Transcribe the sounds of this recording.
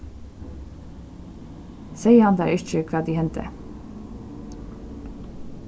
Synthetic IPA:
seɪəhɑnd̪æɪʏt͡ʃəkʰʋɑːd̪iːhɛnt̪ʰə̰

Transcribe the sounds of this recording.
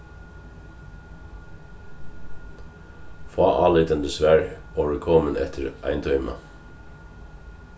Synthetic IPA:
fɑːʔɑːlɪt̪ənd̪əsʋæɹoːʋəkʰɔːmənɛ̰t̪ʰəɹʔɑ̰ɪnd̪ʰœʏmɑ̰

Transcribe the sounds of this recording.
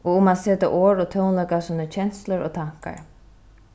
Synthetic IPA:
ʔɔɣʊmaðseːt̪ɪ̰ʔoːɹɔt̪ʰɔwnlœɥkasiːnət͡ɕʰɛnsləɹɔt̪ʰaŋ̥ka̰ɹ

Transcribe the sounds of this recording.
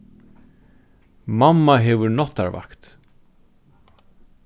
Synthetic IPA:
mamːaɦɛʋʏɾnɔht̪a̰ɾva̰kt̪

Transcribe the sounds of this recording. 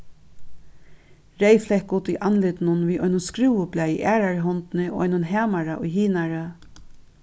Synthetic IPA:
ɾejflɛhkuːt̪ʊjʔanlɪt̪nʊnʋiːʔɔjnʊnskɾuːʊblaːjɪ̰ʔæːɾaɹɦɔnt̪nɪo̰ːʔɔ̰jnʊnɦæːmaɹaʔʊ̰jɦiːnaɹa

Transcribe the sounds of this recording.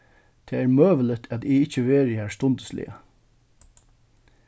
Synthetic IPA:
t̪ʰeːæːɹmøːʋələt̪ʰæt̪ɪɪçəʋeːɾɪæst̪ɔnd̪əslɪ̰ə̰

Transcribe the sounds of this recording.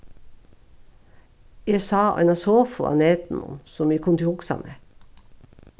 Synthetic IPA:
esɑːɑ̰nɑsoːfʊ̰ɑ̰neːt̪n̩ɔ̰nsɔmiːkʰɔmt̪ʰɪʊksɑ̰nə

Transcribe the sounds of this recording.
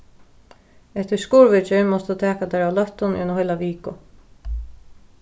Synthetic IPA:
ɛht̪ɪskuːɹʋɪt͡ʃɪɹmɔst̪ut̪ʰɛːkad̪ɛɾawlœht̪ʊnɛnhœjlaʋiːkʊ

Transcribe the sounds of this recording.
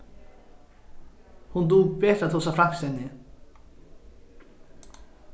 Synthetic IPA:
hund̪uːɡbeːt̪ɾat̪huːs̬afɾakst̪ɛnːɪ

